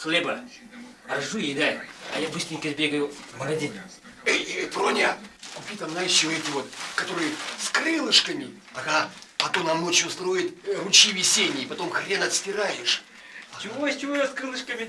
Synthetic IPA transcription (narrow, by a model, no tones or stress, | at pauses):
xlʲebə | ɐʐujɪd̪ajɐ̰jabɨsʲt̪ɾʲɪŋʲkəzʲbʲeɡəjʊməɡɐzʲinʲ | ejpronʲakʊpʲit̪amznajɪʂt͡ɕɪvoɛtʲɪvo̞t̪kɐt̪o̞ɾɨjskrɨlˠɨʂkəmʲɪ | ɐkapɐt̪omnɐmːot͡ɕost̪ɾo̞jɪt̪rʊt͡ɕivʲɪsʲenʲɪjːpɐt̪o̞mxrʲenəɐt̪sʲtʲɪɾajɪʂ | t͡ʃɪvosʲt͡ʃɪvojskɾɨlˠɨʂkəmʲɪ